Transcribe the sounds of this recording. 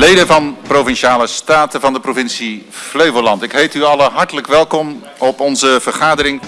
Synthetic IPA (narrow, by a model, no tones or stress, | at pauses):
lejdəvɑnprovɪnʃaːləstaːtəvɑndəprovɪnsifløɥvolɑntɪkɦejtyɑləɦɑɹtələkʋɛlˠkɔm | ɔpɔnzəv̥əɹχaːdərɪŋ